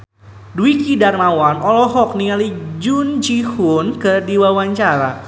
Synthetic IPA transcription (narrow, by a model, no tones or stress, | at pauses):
duikidarmawanʔɔlɔɦɔk̚niŋalid͡ʒund͡ʒihunkɨrdiwawaɲt͡ʃaɾa